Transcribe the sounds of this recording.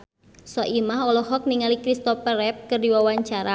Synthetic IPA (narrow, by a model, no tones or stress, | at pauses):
sɔʔimaɦɔlɔɦɔk̚niŋalikɾist̪ɔpəɾɛp̚kɨrdiwawaɲt͡ʃaɾa